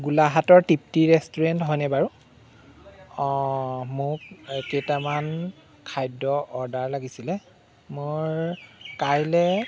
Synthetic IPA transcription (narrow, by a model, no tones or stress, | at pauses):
ɡulaɦatɔɹtip̚tiɹɛstɔɹɛntɦɔjnɛbaɹu | mʊk̚ketaman | kʰajdɔʔɔɹdaɹlaɡisilɛ | mʊɹkajlɛ